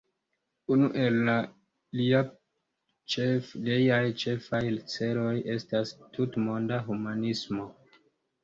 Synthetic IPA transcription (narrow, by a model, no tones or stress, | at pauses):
unuʔe̞lːa | lia | t͡ʃefʎejajt͡ʃe̞fajlit͡se̞ɾo̞je̞stastutmo̞ndaɦumanismo̞